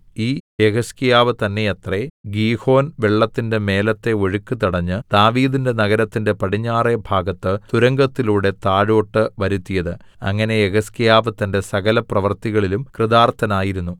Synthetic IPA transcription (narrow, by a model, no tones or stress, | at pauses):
iːeɣɐskijaːʋɨt̪ɐnːe̞ɐt̪reɡiːho̞ːnʋeɭːɐt̪ːinde̞me̞ːlɐt̪ːeo̞ɻukːut̪iɽɐɲːɨd̪̥aːʋiːðinde̞nɐɣɐɾɐt̪ːinde̞pɐɽiɲːaːrebʱaːɡɐt̪ːɨt̪uɾɐŋɡɐt̪ːiluːɽe̞t̪aːɻo̞ːʈːɨʋɐɾut̪ːijɐðɨ | ɐ̰ŋːɐne̞eɣɐskijaːʋɨt̪ɐnde̞sɐɣɐlɐprɐʋɐrt̪iɣɐɭilumkrɨðaːrt̪ɐnaːjiɾunːu